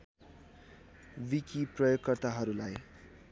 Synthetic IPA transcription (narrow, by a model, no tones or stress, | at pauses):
wikiprʌjoɡkʌrt̪aɦʌɾulaj